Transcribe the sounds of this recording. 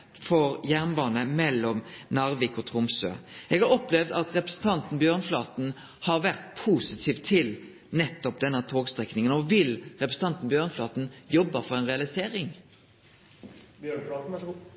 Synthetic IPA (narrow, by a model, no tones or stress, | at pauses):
fɔʁjæʁnbɑːnəmɛlːɔmnɑʁʋɪkɔt̪ʰʁʊmsø̰ːʔɛɡɑɾɔplɛʋd̪ɑt̪ʁɛpɾɛ̥sn̩t̪ʰɑnt̪n̩bjøːʁnflɑːt̪n̩ | hɑʁʋæʁt̪pʰuːsɪt̪ʰiːʋt̪ʰːɪl | nɛt̪ːɔp̚d̪ɛnːət̪ʰoːɡst̪ʁɛknɪŋənɔʋɪlʁɛpɾʁəsn̩ɑnt̪n̩bjøːʁnflɑːt̪n̩jɔbːəfɔʁɛɪnʁɛɑlɪseːɾɪŋ | b